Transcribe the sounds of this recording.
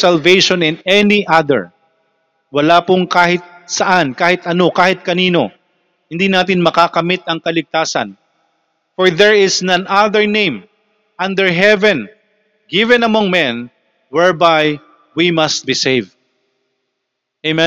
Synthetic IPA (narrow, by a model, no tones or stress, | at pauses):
sɐlvejʃõnɪ̃nɛniʔaðɛ̰ɹ | wɐlaːpʊŋkaːhɪt̪̚sɐʔankaːhɪt̪ɐno̞kaːhɪt̪̚kɐniːno̞ | hɪnd̪inaːt̪̬ɪnmɐkakɐmɪt̪ɐŋkɐlɪɡ̚t̪aːsɐ̰n | fɔɹðɛɹɪsnɐ̃nʔaðɛɹnẽjm | ʔɐ̃nd̪ɛɹɦɛvɛ̃n | ɡɪvɛ̃nɐmoŋmɛ̃n | wɛɹbaj | wimɐst̪̚bisejvd̪ | emɛ